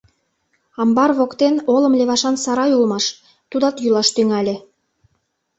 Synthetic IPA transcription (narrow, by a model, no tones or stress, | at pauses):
ɑmbɑrβokt̪enolə̆mlʲeβɑʃɑnsɑɾɑjulmɑʃ | t̪ud̪ɑt̪julɑʃt̪yŋælʲĕ